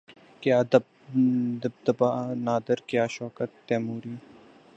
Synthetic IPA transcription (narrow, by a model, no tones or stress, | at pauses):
kjaːd̪ | d̪b̚d̪ɐbaːnaːd̪əɾkjaːʃɔːkət̪ːɛːmuːɾiː